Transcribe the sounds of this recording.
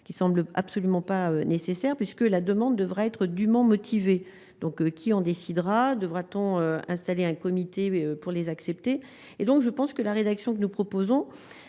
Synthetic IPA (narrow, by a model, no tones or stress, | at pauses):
ə̥kʲisɑ̃bləa̰psɔlymɑ̃paønesesɛʁpɥiskəlad̪əmɑ̃d̪ːəvʁaɛt̪χəd̪ymɑ̃mɔt̪ʰive | d̪ɔ̃kkʲʰiɑ̃d̪esid̪ʁad̪əvʁat̪ɔ̃øɛ̃st̪aleɛ̃kɔmit̪eøpuʁlezaksɛpt̪e | ed̪ɔ̃kʒəpɑ̃skəlaʁed̪aksjɔ̃k̬ənupχɔpozɔ̃